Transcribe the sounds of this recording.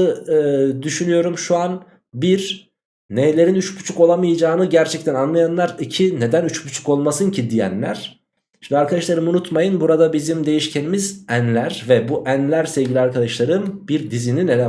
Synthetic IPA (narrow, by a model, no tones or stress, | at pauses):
ɯɯd̪yʃynyjo̞ɾumʃuan | biɾ | nejlʲe̞ɾinyt͡ʃbu̥t͡ʃʰuko̞lˠamɯjɯd͡ʒaːnɯɟæɾt͡ʃʰɛc̚t̪ʰænanlˠajanlˠaɾicʰine̞d̪ænyt͡ʃbut͡ʃʰu̥ko̞lˠmasɯncʰid̪ijæ̰nlʲæ̰ɾ̥ | ʃimd̪iaɾkʰad̪aʃlˠaɾɯmunut̪majɯnbuɾad̪abizimd̪e̞jiʃcʰe̞nimizænlʲæɾvɛbuʔænlʲæɾsɛvɟilʲiaɾkʰad̪aʃlˠaɾɯmb̥iɾd̪izininelʲɛ